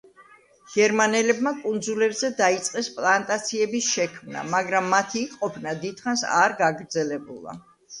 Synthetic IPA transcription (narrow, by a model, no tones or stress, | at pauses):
ɡ̥ɛɾmanɛlɛbmakʼund̪zulɛɾzɛd̪ait̪sʼqʼɛspʼlˠant̪ʼat̪sʰiɛbisʃɛkʰmna̰maɡɾamːat̪ʰiːqʼɔpʰnad̪id̪̥χansa̰ɾɡaɡɾd̪zɛlɛbulˠa̰